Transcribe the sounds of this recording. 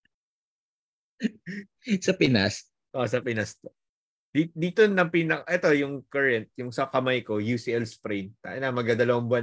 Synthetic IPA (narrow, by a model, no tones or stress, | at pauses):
sɐpɪnas | ʔosɐpɪnɐst̪o | d̪̥id̪iːt̪onɐŋpiːnɐkʔɛt̪o̞jʊŋkɐɹɛnt̪̚jʊŋsɐkɐmajko̞jusiʔɛlspɾɛjnt̪a̰ːʔɪnamɐɡad̪ɐlɐwɐmbɐ